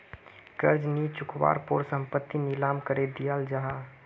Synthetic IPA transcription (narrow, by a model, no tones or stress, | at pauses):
ɡəɾd͡ʒnit͡ʃʊkwa̰ːɾpoːɾsə̃mpət̪ːinɪlaːmkəɾed̪ijald͡ʒaɦa